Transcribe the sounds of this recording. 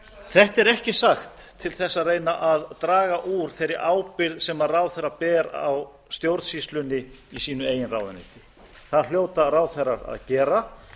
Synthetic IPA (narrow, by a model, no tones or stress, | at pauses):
θɛht̪ɛɾɛhcɪsaxt̪ʰːɪlθɛsːareːjnaʔaðt̪ɾaːɣaʔuɾ̥θejɾːɪʔaːwpɪɾðsɛmaðraːwθɛɾːapɛːɾa̰w | st̪jowɾt̪sist̪lʏnɪisiːnʏeːjɪnra̰wðʏnɪ̰ːt̪ɪ | θaðl̥joːwt̪araːwθɛrːaɾa̰ðcɛːɾa